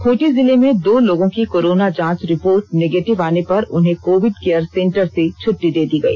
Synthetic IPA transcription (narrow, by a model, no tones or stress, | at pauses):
kʰoːʈizɪlemẽd̪oːloːɡõkikoːɾoːnad͡ʒãːt͡ʃɾɪpoːɾʈ̚neːɡeːʈɪʋaːnepɐɾʊnɦẽkoːʋɪɖkeːəɾsɛ̃ɳʈəɾset͡ʃʰʊʈːid̪eːd̪iɡɐḭː